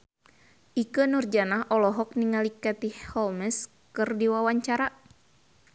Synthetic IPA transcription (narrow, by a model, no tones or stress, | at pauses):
ʔikənurd͡ʒanaɦʔɔlɔɦɔk̚niŋalikat̪ihhɔlmɛs | kɨrdiwawaɲt͡ʃaɾa